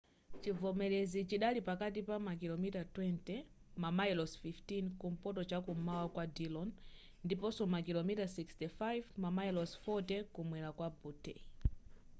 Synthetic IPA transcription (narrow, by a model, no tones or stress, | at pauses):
t͡ʃivɔmɛlɛzit͡ʃiɗalipakat̬ipamakilɔmitatwɛntɛ | mamajlɔsfiftinkum̩pɔtɔt͡ʃakumawakwadilɔn | ndipɔsɔmakilɔmitasikstifajvmamajɛlɔsfɔtɛkumwɛɾakwabutɛ̰